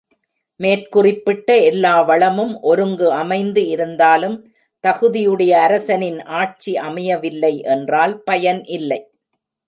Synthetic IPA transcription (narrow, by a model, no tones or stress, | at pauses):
meːrkʊrɪpːɪʈːɐɛlːaːʋɐɭɐmɯmʔɔɾɯŋɡɯɐmɐɪnd̪ɯɪɾɯnd̪aːlɯm | t̪ɐɣɯðɪjɯɽɐjɐːɾɐsɐnɪnʔaːʈ̚t͡ʃiʔɐmɐjɐʋɪlːɐɪʔɛndraːlpɐjɐnʔɪlːɐɪ